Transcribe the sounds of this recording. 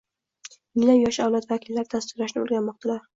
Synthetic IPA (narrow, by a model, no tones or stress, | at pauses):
mɪŋlamjɒʃawlat̪vakʲʰilːaɾɪd̪ʰast̪ɪklaʃnɪo̰lˠɡʲanmɒqt̪ʰalaɾ